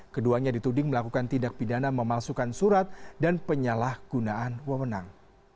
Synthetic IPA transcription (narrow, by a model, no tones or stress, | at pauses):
kəduaɲadit̪udɪŋməlakukant̪indak̚pidanaməmalsukansuɾat̪̚danpəɲalahɡ̥unaʔanwəwənaŋ